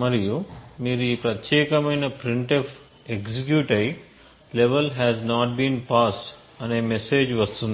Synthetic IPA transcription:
mɐɾijumiːɾuiːpɾɐt̪jeːkɐmɐjnɐpɾiɳʈɔf | eksikjuʈɐj | leʋɐlɦɛːznaːʈ̚bĩːnpaːsʈ | ɐneːmeseːd͡ʒʋɐst̪und̪i

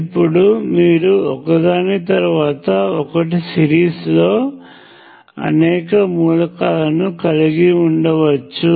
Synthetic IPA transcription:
pːuɽumiːɾuɔkɐd̪aːnit̪ɐɾuʋaːt̪ɐɔkɐʈ̬isiɾiːslo̞ː | ɐ̰nɛːkɐmuːlɐkaːlɐnukɐliɡiuɳɖɐʋɐt͡ʃːu

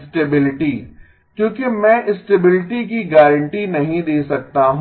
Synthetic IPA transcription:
sʈeːbɪlɪʈi | kjõːkemɛ̃ːʔɪsʈeːbɪlɪʈikiɡɛːɾə̃ɳʈinɐɦĩd̪eːsɐk̚t̪aɦ

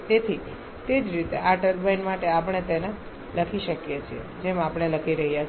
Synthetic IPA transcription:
t̪et̪ʰi | t̪ed͡ʒɾit̪eʔaʈəɾbəjnmaʈeapəɳ̃et̪ene | ləkʰiʃəkjet͡ʃʰiḛd͡ʒemapəɳ̃eləkʰiɾəɦja

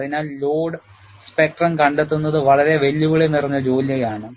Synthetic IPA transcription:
ðinaːllo̞ːɽ | spe̞k̚ʈrɐnkɐɳɖet̪̬ːunːɐðɨʋɐɭɐɾeʋe̞lːuʋɐɭenirɐɲːɐd͡ʑo̞ːljɐjaːɳɨ

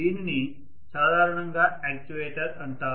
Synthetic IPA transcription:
iːnːi | saːd̪ʱaːɾɐɳɐŋɡaːeːk̚ʈiʋeːʈɐɾɐɳʈaː

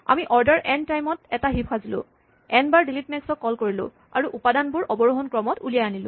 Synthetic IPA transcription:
a̰miʔɔɹdaɹʔɛntajmɔtɛtaɦipʰazilʊ̰̃ | ɛnbaɹdilitmɛksɔkːɔlkoɹilʊ̰̃ | a̰ɹuʔupadanbʊɹʔɔbɔɹuɦɔnkɹɔmɔtulijajanilʊ̰̃

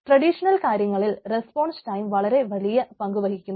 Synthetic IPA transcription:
ʈrɐɽiʂɐnɐlkaːɾjɐŋːɐɭilrespo̞ːɳsʈɐjmʋɐɭɐɾe̞ʋɐlijɐpɐŋɡuʋɐɦikʲːunː

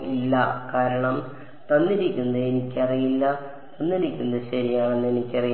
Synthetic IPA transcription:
ilːɐkaːɾɐɳɐm | t̪ɐnːiɾikʲːunːɐðenikʲːɐrijilːɐ | t̪ɐnːiɾikʲːunɐd̪ɕɐɾijaːɳenːe̞nikʲːɐrij

